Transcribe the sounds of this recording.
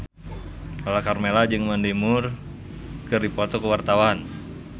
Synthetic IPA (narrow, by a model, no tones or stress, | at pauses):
alakarmelad͡ʒɨŋmandimʊr | kɨrdipɔt̪ɔkəwart̪awan